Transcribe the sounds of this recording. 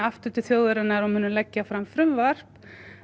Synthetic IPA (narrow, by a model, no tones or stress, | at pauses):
aft̪ʏt̪ʏθjoːwðʏɾɪnːaɾɔmhʏnːʏmlɛcːafɾamfɾʏmvar̥p